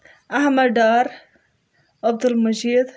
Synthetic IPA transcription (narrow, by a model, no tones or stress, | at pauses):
ʔahmaɾd̪ɑːɾˤ | ʔab̚d̪ɪlmad͡ʒiːd̪